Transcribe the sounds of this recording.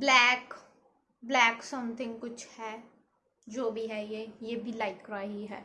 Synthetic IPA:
blɛːk | blɛːksɐmt̪ʰɪ̃ŋɡ̚kʊt͡ʃʰhɛː | d͡ʒoːbʱiɦɛjejebʱilaːɪʈkɾaːɪɦiɦɛ̰ː

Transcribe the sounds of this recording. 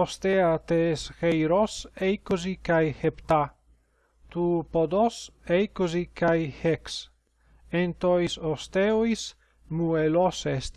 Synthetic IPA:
ost̪eat̪eːsxejɾosejkozikajhept̪a | t̪upod̪osejkozikajheks | ent̪ojsost̪eois | muelosest̪

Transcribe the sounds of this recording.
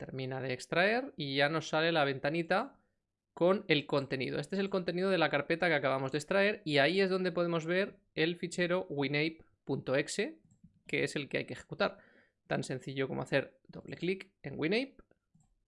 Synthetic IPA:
t̪e̞̰ɾmĩnaðeːkst̪ɾae̞ɾiʝano̞sːale̞laβ̞e̞nt̪anit̪a | ko̞ne̞lko̞nt̪e̞nḭðo̞e̞st̪e̞selko̞nt̪e̞niðo̞ð̞e̞lakaɾpe̞t̪ake̞akaβamo̞zðe̞kst̪ɾae̞ɾiaiezð̞o̞nd̪epoðe̞mo̞zβe̞ɾ | e̞lfit͡ʃe̞ɾo̞ɣwinejpː | unt̪o̞e̞kse̞ | ke̞ese̞lkea̰jkexe̞̥kut̪aɾ | t̪a̰nse̞n̟θiʎo̞ko̞moaθe̞ɾd̪o̞̰βle̞̰klik | e̞ŋɡwinejp̚

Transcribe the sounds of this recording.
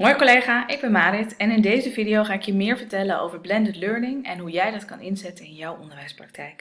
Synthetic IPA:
mojəkolejχaːʔɪɡ̚bɛnmaːɾɪtɛnɪndejzəvidiowχaːɪkjəmɪːɹvəɹtɛləno̰wvəɹblɛndətløɹnɪŋɛnɦujɛjdɑtkɑnɪnzɛtənɪnjɔwɔndəɹʋɛjsprɑk̚tʰɛjk

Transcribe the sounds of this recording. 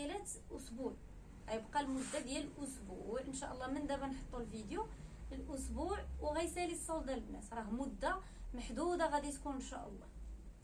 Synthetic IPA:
ælæt̪ | ʔʊsbuʕ | æjəbqɑlmʊd̪ːad̪jæləlʔʊsbuʕənʃæʔəlˤːɑmənd̪æbænħət̪ˤːulvid̪juəlʔʊsbuʕwɣæjsælisˤɑwd̪ælbnæt̪ɾˤɑɦmʊd̪ːa | məħd̪ud̪æɣæd̪it̪kunənʃæ̰ʔə̰lˤːɑ̰

